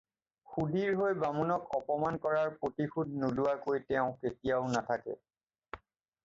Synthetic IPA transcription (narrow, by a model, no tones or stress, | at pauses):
xudiɹɦojbamunɔkɔpɔmankɔɹaɹpɹotixʰud̚nulʊwakojtɛʊ̃ketijaʊnatʰakɛ̰